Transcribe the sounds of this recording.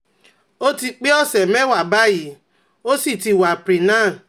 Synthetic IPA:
o˦ti˧k͡pe˦ɔ˦˨sɛ˨mɛ̃˦wa˨ba˦ji˨˦ | o˦si˦˨ti˧˨wa˨pɾi˨nãː˦˨

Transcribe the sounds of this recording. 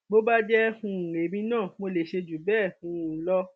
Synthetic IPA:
bo˦ba˦d͡ʒɛ˦hũ˧˨ɾe˨˦mĩ˧˦nãː˦˨mo˧le˨ʃe˧d͡ʒu˨˦bɛː˦˨hũ˧˨lɔ˧

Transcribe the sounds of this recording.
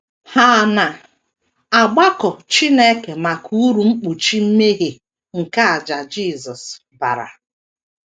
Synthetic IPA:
ha˦˨na˨ | a˨ɡ͡ba˦kɔ˨t͡ʃi˦ne˦ke˨ma˨kʰu˦u˦ɾu˨ŋ͡m̩˦k͡pu˨t͡ʃi˦m̩˦me˦ɦe˨ | ŋ̩˨ka˦a˨d͡ʒa˨d͡ʒi˦˨zɔ˨s | ba̰˨ɾa̰˨

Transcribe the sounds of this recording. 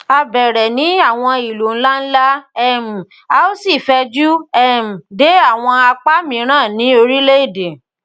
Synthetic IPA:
a˧bɛ˨ɾɛ˨nĩ˨˦a˦˨w̃ɔ̃˧i˨lo˨n̩˦la˦n̩˦la˦ɛ˦˨m̩˨ | a˧o˦si˦˨fɛ˧d͡ʒu˦ɛ˦˨m̩˨de˨˦a˦˨w̃ɔ̃˧a˧k͡pa˦mĩ˨˦ɾ̃ãː˦˨nĩ˨˦o˧ɾi˦le˦e˦˨de˨

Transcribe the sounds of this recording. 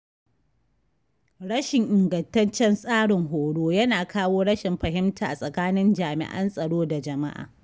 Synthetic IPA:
ɽɐ˦ʃɪ˨ŋʔɪ˨ŋɡɐ˨ntɐ˦nt͡ʃɛ˦nsʼaː˦ɽɪ˨ŋɦoː˨ɽoː˦jɐ˦naː˨kaː˦woː˦ɽɐ˦ʃɪ˨mɸɐ˨ɦɪ˦mtaː˨ʔa˨sʼɐ˨kaː˦nɪ˦nd͡ʒaː˨mɪ̰˨ʔɐ̰˦nsʼɐ˨ɽoː˦da˨d͡ʒɐ˨ma̰˦ʔa̰ː˨

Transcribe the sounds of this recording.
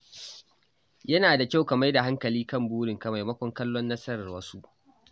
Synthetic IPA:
jɐ˦naː˨da˨kʲa˦˨wkɐ˨ma˦jda˨ɦa˦ŋkɐ˨liː˦kɐ˦˨mbuː˦ɽɪ˨ŋkɐ˨ma˨jmɐ˦kʷɔ˦ŋkɐ˦lːɔ˦nːɐ˦sɐ˦ɾɐ˨rwɐ˦su˦ʔ

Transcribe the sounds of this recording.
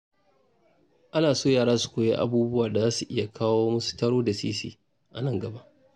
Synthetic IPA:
ʔa˦naː˨soː˦˨jaː˨ɾaː˦su̥˨kʷoː˨jḛ˦ʔa̰˨buː˦bʊ˦waː˨da˨zaː˦su˨ʔɪ˦ja˨kʰaː˦woː˦mɐ˦su̥˨tɐ˦ɽoː˦da˨sḭː˦sḭː˦ | ʔa̰˨nɐ˦ŋɡɐ˨ba˦ʔ

